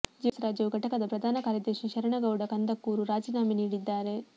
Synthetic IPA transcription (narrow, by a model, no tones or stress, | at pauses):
d͡ʒisɾaːd͡ʒjɐʋuɡʱɐʈɐkɐd̪ɐpɾɐd̪ʱaːnɐkaːɾjɐd̪eʃiʃɐɾɐɳɐɡɐwɽɐkɐnd̪ɐkːuːɾuɾaːd͡ʒiːnaːminiːɽid̪ːaːɾe̞